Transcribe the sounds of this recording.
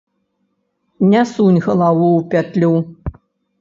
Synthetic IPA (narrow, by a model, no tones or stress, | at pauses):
nʲasunʲɣɐlˠawuwpʲat̪lʲu